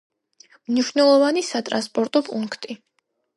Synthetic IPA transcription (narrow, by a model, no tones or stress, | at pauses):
mniʃnɛlˠɔvanisat̪ʼɾa̰nspʼɔɾt̪ʼɔpʼuŋkʰt̪ʼi